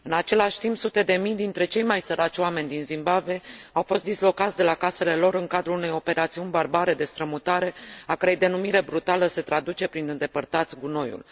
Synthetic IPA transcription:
ɨnat͡ʃe̞laʃʲt̪impsut̪e̞d̪e̞mijd̪int̪ɾe̞t͡ʃe̞jmajsəɾʔat͡ʃʲoame̞nʲd̪inzimbabeawfo̞st̪d̪islo̞kat̪sʲd̪e̞lakase̞le̞lo̞ɾɨŋkad̪ɾulune̞jo̞pe̞ɾat̪siunʲbarbaɾe̞d̪e̞st̪ɾəmut̪aɾe̞akəɾe̞jd̪e̞numiɾe̞bɾut̪aləse̞t̪ɾad̪ut͡ʃe̞pɾinɨnd̪e̞pərt̪at̪sʲɡuno̞jṵl

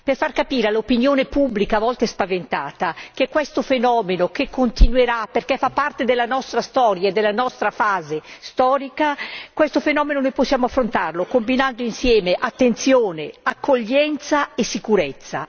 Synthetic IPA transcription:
perfarkapiːɾealopinjoːnepubːlikavɔlt̪espavent̪aːt̪ak̟ekːwɛst̪ofenɔːmenokekʰːont̪inweɾaperkefapːart̪ed̪elːanɔst̪ɾast̪ɔːɾjaed̪ːelːanɔst̪ɾafaːzest̪ɔːɾikakwɛst̪ofenɔːmenonojposːjaːmoafːɾont̪arlokombinand̪oinsjɛːmeʔat̪ːent̪sjoːneakːoʎːɛnt̪saesːikuɾet̪sːa̰

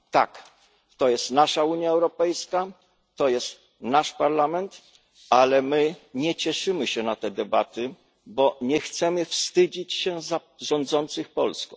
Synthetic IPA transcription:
t̪a̰k | t̪ɔjɛst̪naʂauɲjaɛwɾɔpɛjska | t̪ɔjɛst̪ | naʂpaɾlamɛnt̪ | alɛmɘɲɛt͡ɕɛʂɘmɘɕɛnat̪ɛd̪ɛbat̪ɘ | bɔɲɛxt̪sɛmɘfst̪ɘd͡ʑit͡ɕɕɛza | ʐɔ̃nd̪zɔnt̪sɘxpɔlskɔ̃

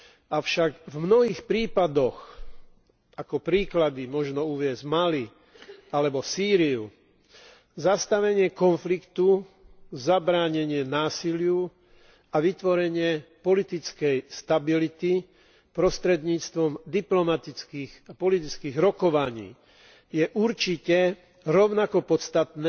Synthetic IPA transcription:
aʊʃaɡvmnɔɦiːxpɾiːpad̪ɔx | ʔakɔpɾiːklad̪imɔʒnɔuʋɪɛzmali | alɛbɔsiːɾiu | zast̪aʋɛɲɪɛkɔnflikt̪u | zabɾaːɲɛɲɪɛnaːsilɪu | aʋit̪ʋɔɾɛɲɪɛpɔlit̪it͡skɛjst̪abilit̪i | pɾɔst̪ɾɛd̪ɲiːt͡st̪ʋɔmd̪iplɔmat̪it͡skiːɣapɔlit̪it͡skiːɣɾɔkɔʋaɲḭː | jɛʔuɾt͡ʃicɛ | ɾɔʊnakɔpɔt̪t͡st̪at̪nɛ

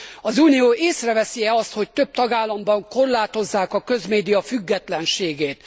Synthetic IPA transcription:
ɒzuːnioːʔeːsrɛvɛsiɛɒst̪ho̞c̚t̪ø̞b̚t̪ɒɡaːlːɒmbɒŋko̞rlaːt̪o̞zːaːkɒkø̞zmeːd̪ijɒfyɡːɛt̪lɛnʃeːɡeːt̪

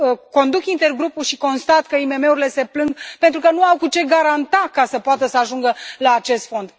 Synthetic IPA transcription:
əko̞nd̪ukint̪e̞rɡɾupulʃiko̞nst̪at̪kəime̞me̞uɾile̞se̞plɨŋɡpe̞nt̪ɾukənuawkut͡ʃe̞ɡaɾant̪akasəpoat̪əsəaʒuŋɡəlaːt͡ʃe̞st̪fo̞nd̪

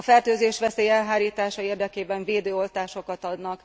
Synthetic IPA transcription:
ɒfɛrt̪øːzeːʃʋɛseːjɛlɦaːɾiːt̪aːʃɒeːrd̪ɛkeːbɛɱveːd̪øːo̞lt̪aːʃo̞kɒt̪ɒd̪nɒkk

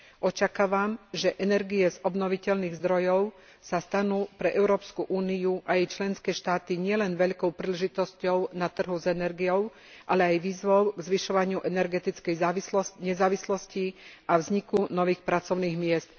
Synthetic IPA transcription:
ʔɔt͡ʃakaːʋamʒɛʔɛnɛɾɡiɛzɔbnɔʋicɛlniːɣzd̪ɾɔjɔʊ | sast̪anuːpɾɛʔɛʊɾɔːpskuʔuːnijuʔajɛjt͡ʃlɛnskɛːʃt̪aːt̪iɲɪɛlɛnʋɛʎkɔʊpɾiːlɛʒit̪ɔscɔʊnat̪r̩ɦuzɛnɛɾɡijɔʊ | ʔalɛajʋiːzʋɔʊɡzʋiʃɔʋaɲɪuʔɛnɛɾɡɛt̪it͡skɛjilɲɛzaːʋislɔsciʔavzɲikunɔʋiːxpɾat͡sɔʊniːɣmɪɛst̪

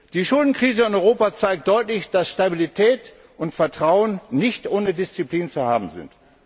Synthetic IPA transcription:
d̥iːʃʊldn̩kʁ̥iːzəɪnɔʏʁoːpat͡saɪk̚t̚d̥ɔʏtlɪçd̥asʃtabilitʰɛːt | ʔʊntfɛɐtʁ̥aʊənnɪçtʔoːnədɪst͡sipliːnt͡suhaːbm̩zɪ̰nt

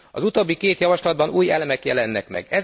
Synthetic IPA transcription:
ɒzut̪oːbːikeːt̪jɒvɒʃlɒd̪̚bɒnuːjɛlɛmɛkjɛlɛnːɛkmɛ̰ɡɛz

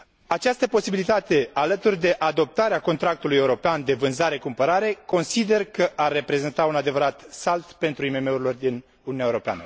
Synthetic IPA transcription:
at͡ʃast̪əpo̞sibilit̪at̪e̞alət̪urʲd̪e̞ʔad̪o̞p̚t̪aɾeako̞nt̪ɾak̚t̪uluje̞uɾo̞peand̪e̞vɨnzaɾe̞kumpəɾaɾe̞ko̞nsid̪e̞rkəʔarːe̞pɾe̞ze̞nt̪aunad̪e̞vəɾat̪salt̪pe̞nt̪ɾuime̞me̞uɾilo̞rd̪in | ununjaeuɾo̞pea̰nə̰

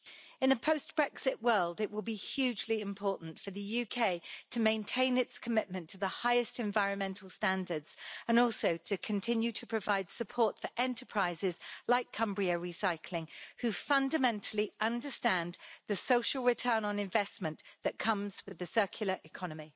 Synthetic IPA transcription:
ɨ̃nðəpʰəʊsb̥ɹɛksɪʔwɜːlˠdɪʔwɪlˠbihjʉːd͡ʒliɪ̃mpʰɔˑʔn̩tfəðəjʉkʰeɪtʰəmẽɪ̃ntʰẽɪ̃nɪtskʰəmɪʔ̚mə̃ntʰəðəhaɪɨstɨ̃ɱvaɪɹə̃nmɛ̃ntʰˡl̩ˠstæ̃ndədz̥ə̃nɔˑlˠsoʊtʰɨkʰə̃ntʰɪ̃njʉtʰəpʰɹ̥əvaɪd̥səpʰɔˑtfəʔɛ̃ntʰəpʰɹ̥aɪzɪz̥laɪkʰʌ̃mbɹiəɹisaɪkʰlɪ̃ŋhʉfʌ̃ndəmɛ̃ntʰˡəl̩ˠiʔʌ̃ndəstæ̃nðəsoʊʃəlˠɹɪtʰɜːnə̃nɪ̃ɱvɛsmə̃nðəʔ̚kʰʌ̃mz̥wɪðɨsɜˑkʰjl̩ˠəɹʔɪkʰɒnəmi

